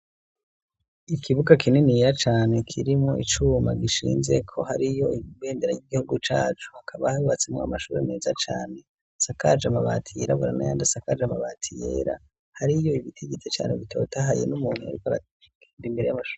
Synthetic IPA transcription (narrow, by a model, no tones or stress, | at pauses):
ikʰiβuɡakʰininijɾat͡ʃaːne̞kʰiɾimŋoʔit͡ʃumaɡiʃḭːnze̞kʰo̞haɾijo̞iβe̞ːndeɾa̰jiɡihuɡut͡ʃa̰ːt͡ʃu̥akʰaβahaɾuβat͡semŋoa̰maʃuːɾeneːzat͡ʃaːne̞ | sakad͡ʒamaβa̰ːtʰijeɾaβuɾanajaːndasakad͡ʒamaβaːtʰijḛɾa̰ | haɾijo̞iβitʰeɡet͡set͡ʃa̰ːneβitʰo̞ːtaɦaje̞̰numuːnhua̰ɾikoaɾa̰ | eːndimbe̞ɾe̞jamaʃu̥ːe